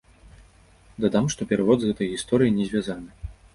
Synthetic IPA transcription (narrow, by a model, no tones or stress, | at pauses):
d̪ad̪amʂt̪ɔpʲɛɾɨvɔd̪zɣɛt̪ɐjɣʲist̪ɔɾɨjinʲɛzʲvʲazanɨ